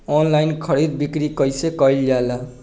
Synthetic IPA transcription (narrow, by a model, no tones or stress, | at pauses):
ɔnlajnkʰʌɽid̪̚bikɾikʌjsekʌjld͡ʒala